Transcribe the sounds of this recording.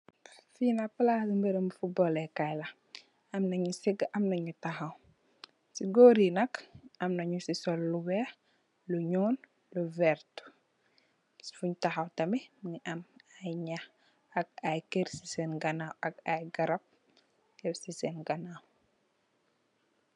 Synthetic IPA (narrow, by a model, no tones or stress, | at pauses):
finɐpɐlasimbɛɾɐmufubɔlɛkajlɐ | ɐmnɐɲusiɡɐmnɐɲutɐxɐw | siɡoːɾinɐkʔɐmnɐɲusisɔlːuwɛː | luɲɔːn | luvɛɾt | sfuɲtɐxɐwtɐmɛmɲʔɐmajɲɐx | ɐk̚ajkeɾsisɛnɡɐnawʔɐk̚ajɡɐɾɐp̚ | ɛwsisɛnɡɐnaw